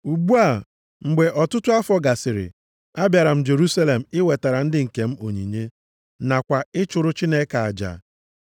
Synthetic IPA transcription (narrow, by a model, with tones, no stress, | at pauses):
u˨ɡ͡bu˦a˨ | ŋ͡m̩˨ɡ͡be˨ʔɔ˨tʊ˦tʊ˦a˦fɔ˦ɡa˨sɪ˨ɾɪ̰˨ | a˦bja˨ɾa˨m̩˦d͡ʒe˨ɾu˦sa˦le˨m̩˨ɪ˦we˨ta˨ɾa˨n̩˦dɪ˦ŋ̩˨ke˨m̩˦o˨ɲḭ˨ɲe˦ | na˨kʷa˨ɪ˦t͡ʃʊ˨ɾʊ˦t͡ʃi˦ne˦ka˨a˨d͡ʒa̰˨